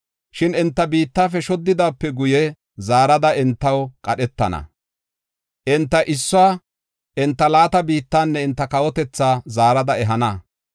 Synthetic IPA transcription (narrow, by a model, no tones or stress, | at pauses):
ʃɪnɪnt̪ːɐbiːt̪ːaːfɛʃɔd̪ːɪd̪aːpːɛɡʊjɛ | zaːɾɐd̪ɐɪnt̪ːɐwkʼɐɗɛt̪ːɐ̰nɐ̰ | ʔɪnt̪ːɐʔɪsːʊaː | ʔɪnt̪ːɐlaːt̪ɐbiːt̪ːaːnːɛɪnt̪ːɐkɐwɔt̪ɛt͡sːaːzaːɾɐd̪ɐɛɦɐnɐ